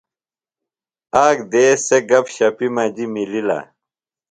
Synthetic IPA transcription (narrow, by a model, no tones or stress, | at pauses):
aːɡd̪eːseɡɐbɕɐpimɐːd͡ʑimilila̰